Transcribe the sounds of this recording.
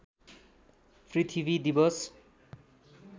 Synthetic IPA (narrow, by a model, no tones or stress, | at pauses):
pʰrit̪ʰibʱid̪ibʌs